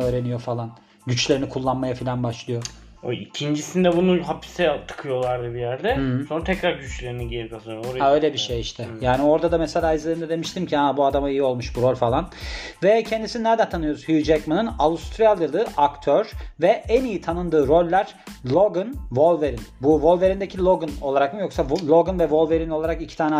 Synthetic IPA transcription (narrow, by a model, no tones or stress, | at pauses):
øːɾe̞nijo̞falˠan | ɟyt͡ʃlʲe̞ɾinikʰulˠːanmajafilʲanbaʃlˠɯjo | oicʰind͡ʒisind̪ɛbunuɦapʰi̥sɛt̪ʰɯ̥kʰɯjo̞lˠaɾd̪ɯbijæɾd̪ɛsonɾat̪ʰɛcɾaɾɟyt͡ʃlʲe̞ɾiniɟeikasaoɾaø̞jlʲebiʃejiʃt̪ʰɛjaːnio̞ɾd̪ad̪amɛselʲaːizlʲeɾind̪ɛd̪e̞miʃt̪ʰimcʰiabuad̪amaijio̞lˠmuʃbuɾo̞lʲfalˠanvɛcʰɛnd̪isininæɾd̪ænt̪ʰanɯjo̞ɾuz̥hyd͡ʒɛkmanɯnaust̪ʰɾijalˠɯlˠɯʔakt̪ʰøɾ̥vɛʔænijit̪ʰanɯnd̪ɯːɾo̞lʲːæɾ̥ | lʲˠo̞ɡɯnvo̞lˠveɾinbuvo̞lˠve̞ɾind̪ecʰilʲˠo̞ɡɯno̞lˠaɾakmɯjo̞ksalʲˠo̞ɡɯnvɛvo̞lˠve̞ɾinolˠaɾakicʰi̥t̪ʰaːnɛ